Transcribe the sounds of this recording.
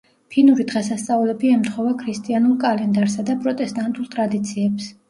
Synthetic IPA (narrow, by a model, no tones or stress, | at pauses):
pʰinuɾid̪ʁɛsast̪sʼaulɛbiɛmt̪ʰχɔvakʰɾist̪ʼianulˠkʼalɛnd̪aɾsad̪apʼɾɔt̪ʼɛst̪ʼant̪ʼulˠt̪ʼɾad̪it̪sʰiɛps